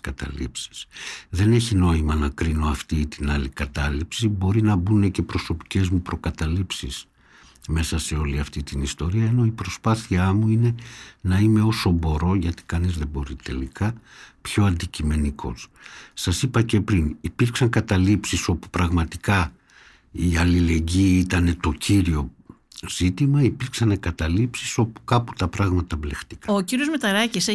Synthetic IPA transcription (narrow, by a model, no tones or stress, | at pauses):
kɐt̪ɐ̰lḭpsi̥sðe̞ne̞çino̞imɐnɐkɾino̞ɐft̪iːt̪inɐlikɐt̪ɐlipsibo̞ɾinɐbune̞ce̞pɾo̞so̞pi̥ce̞zmupɾo̞kɐt̪ɐlipsis | me̞sɐse̞o̞liɐft̪it̪inist̪o̞ɾiɐeno̞ipɾo̞spɐθiɐmuine̞nɐime̞o̞so̞bo̞ɾo̞ʝɐt̪i̥kɐnizðe̞bo̞ɾit̪e̞̰likɐpço̞ɐnd̪icime̞nikʰo̞̰ssɐsipɐce̞pɾinipiɾksɐŋkɐt̪ɐlipsiso̞pu̥pɾɐɣmɐt̪ikɐ | iɐlile̞ɲɟiit̪ɐne̞t̪o̞ciɾio̞ | z̥it̪imɐipiɾksɐneɡɐt̪ɐlipsiso̞pu̥kɐpu̥t̪ɐpɾɐɣmɐt̪ɐvle̞xt̪i̥kɐociɾiozmet̪ɐɾɐcis